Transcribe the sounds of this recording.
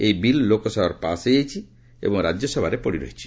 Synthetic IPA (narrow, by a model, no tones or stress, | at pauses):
ejbilːokɔsɔbaɾpaseejt͡ʃʰi | ḛbɔŋɾad͡ʒjɔsɔbʱaɾepɔɽiɾɔ̰ɦet͡ʃʰi̥